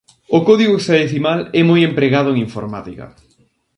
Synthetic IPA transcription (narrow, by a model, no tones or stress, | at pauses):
ʊkɔðiɣoesaðeθimalɛmojempɾeɣaðʊeŋiɱfo̰ɾmat̪ikɐ̰